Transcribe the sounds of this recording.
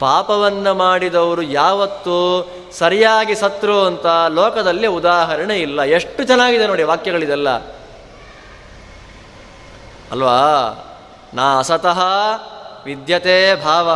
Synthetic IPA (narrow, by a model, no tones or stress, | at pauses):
paːpɐʋɐnːɐmaːɽid̪ɐʋɐɾujaːʋɐt̪ːu | sɐɾijaːɡisɐt̪ɾoːɐnt̪ɐlɔːkɐd̪ɐlːiud̪aːɦɐɾɐɳeilːɐeʂʈːut͡ʃɐnaːɡid̪eno̞ːɽiʋaːkjɐɡɐɭid̪ɛlːɐ̰ | ɐlʋaː | naːɐsɐt̪ɐɦɐ | ʋid̪ʱjɐt̪eːbʱaːʋɐ